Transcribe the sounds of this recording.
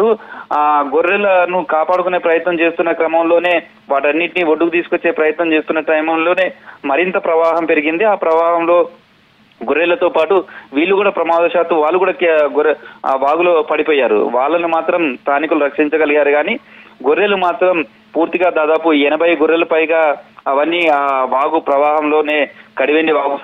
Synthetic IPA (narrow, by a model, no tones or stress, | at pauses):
ɾuaːɡoɾːɛlːɐnukaːpaːɽukune̞ːpɾɐjɐt̪nɐmt͡ʃeːst̪unːɐkɾɐmɐmlo̞ːne̞ː | ʋaːʈɐnːiʈinioɖːukut̪̬iːsu̥ko̞t͡ʃːe̞ːpɾɐjɐt̪nɐmt͡ʃeːst̪unːɐʈɐjmɐmlo̞ːne̞ːmɐɾint̪ɐpɾɐʋaːɦɐmpe̞ɾiɡind̪iaːpɾɐʋaːɦɐmlo̞ː | ɡoɾːɛlɐt̪oːpaːʈuʋiːɭːukuːɽaːpɾɐmaːd̪ɐʃaːt̪umʋaːɭːukuːɽakɡuɾʋaːɡuloːpɐɽipoːjːaːɾṵʋaːɭːɐnumaːt̪ɾɐmst̪aːnikuluɾɐkʂiɲt͡ʃɐɡɐliɡaːɾuɡaːniːɡuɾːelumaːt̪ɾɐm | puːɾt̪iɡaːd̪aːd̪aːpuɛnɐbʱɐjɡuɾːelupɐjɡaːɐʋɐnːiaːʋaːɡupɾɐʋaːɦɐmlo̞ːne̞ːkɐɽiʋeɳɖiʋaːɡu